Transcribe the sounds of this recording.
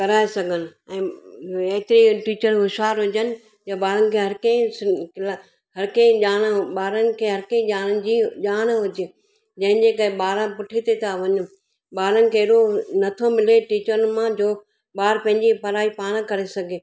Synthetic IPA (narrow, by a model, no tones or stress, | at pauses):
kɐɾaːesɐɡʱənɪ̆ɛ̃ːeɦɪt̪ɪɾiʈiːt͡ɕəɾɦʊʃaːɾɦʊd͡ʑənɪ̆ | jaɓaːɾənɪ̆kʰeːɦɐɾkɐ̃ĩskɪla | ɦɐɾkẽʄaːɽ̃ɓaːɾənɪ̆kʰeːɦɐɾkẽĩʄaːɽ̃ənɪ̆d͡ʑiːʄaːɽ̃ɦʊd͡ʑe | d͡ʑɐ̃ɦɪ̃d͡ʑeːkɐeɓaːɾə̃pʊʈʰit̪et̪ʰaʋɐɲʊ̆ | ɓaːɾənɪ̆kʰeːɪɗonɐt̪ʰomɪleʈiːt͡ɕəɾənɪ̆mãd͡ʑoː | ɓaːɾpɐ̃ɦɪɲd͡ʑipɐɾaːipaːɽ̃kɐɾesɐɡʱeː